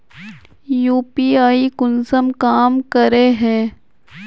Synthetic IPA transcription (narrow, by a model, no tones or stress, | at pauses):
juːpiːaːikʊnsəmkaːmkəɾeɦɛ̃ː